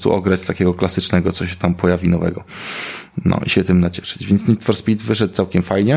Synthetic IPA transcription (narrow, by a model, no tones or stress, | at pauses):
t̪ṵʔɔɡɾat͡ɕt̪akʲɛɡɔklasɘt͡ʂnɛɡɔt̪sɔɕɛt̪ampɔjavʲinɔvɛ̰ɡɔ | nɔ̰ʔḭɕɛt̪ɘmnat͡ɕɛ̥ʂɘ̥d͡ʑvʲjɛnt̪sɲʲit̪fɔɾspʲit̪vɘʂɛt̪̚t̪awkʲɛmfajɲɛ